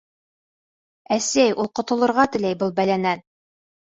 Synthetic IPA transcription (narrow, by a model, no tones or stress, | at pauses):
æsæjʔulˠqŏt̪ŏlˠɤ̆ɾʁɑt̪ɘ̆læjbɤlˠbælænæn